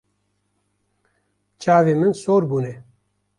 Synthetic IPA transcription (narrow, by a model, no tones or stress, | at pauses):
t͡ʃʰaːveːmɨnsoːɾbuːne